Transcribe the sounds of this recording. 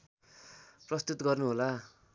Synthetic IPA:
prʌst̪ut̪ɡʌrnuɦola

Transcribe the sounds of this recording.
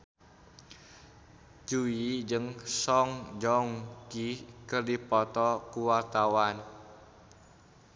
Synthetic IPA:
d͡ʒuid͡ʒɨŋsɔŋd͡ʒɔŋkikərdipɔt̪ɔkuwart̪awan

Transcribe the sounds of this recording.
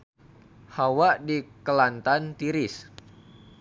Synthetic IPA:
hawaʔdikəlant̪ant̪iɾɪs

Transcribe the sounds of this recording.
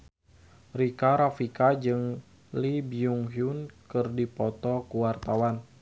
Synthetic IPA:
rikaɾafikad͡ʒɨŋ | libiuŋɦjunkɨrdipɔt̪ɔkuwart̪awan

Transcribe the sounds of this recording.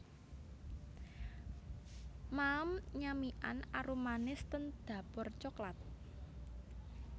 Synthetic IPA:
mamɲamiʔa̰naɾumanɪst̪ənd̪̥ä̤pɔrt͡ʃɔklat̪̚

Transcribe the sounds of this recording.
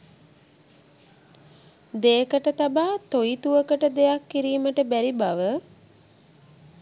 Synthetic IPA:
d̪eəkəʈət̪abaːt̪ojit̪uʋəkəʈəd̪ejakːiɾiːməʈəbæɾibaʋə

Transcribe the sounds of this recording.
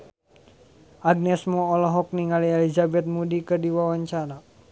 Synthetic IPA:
aɡ̚nɛsmɔɔlɔɦɔk̚niŋalielizabɛt̪̚mudikərdiwawaɲt͡ʃaɾa

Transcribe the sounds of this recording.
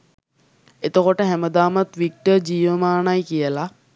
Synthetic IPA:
et̪əkoʈəɦæməd̪aːmat̪ʋik̚ʈəd͡ʑiːʋəmaːnajkijəla

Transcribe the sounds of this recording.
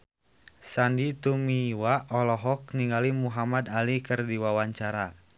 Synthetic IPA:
sandit̪umiwaɔlɔɦɔk̚niŋɡalimuɦamad̪alikɨrdiwawaɲt͡ʃaɾa

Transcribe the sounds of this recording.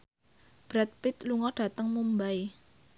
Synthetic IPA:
b̥ɾat̪̚pɪt̪luŋɔɖ̥a̤t̪əŋmumbaj

